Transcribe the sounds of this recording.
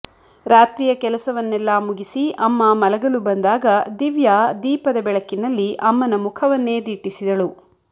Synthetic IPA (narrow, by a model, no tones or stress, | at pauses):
ɾaːt̪ɾiːjɐkɛlɐsɐʋɐnːɛlːɐmuɡisiʔɐmːɐmɐlɐɡɐlubɐnd̪aːɡɐd̪iʋjaːd̪iːpɐd̪ɐbɛɭɐkːinɐlːiʔɐmːɐnɐmukʰɐʋɐnːe̞ːd̪iːʈisid̪ɐɭu